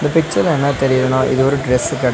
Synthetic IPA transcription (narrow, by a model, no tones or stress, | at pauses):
ɪnd̪ɐpɪk̚t͡ʃɐɾɛnːɐt̪ɛɾɪjɐɾɐɳõːʔḭðɯɔɾɯɖɾeskːɐɽ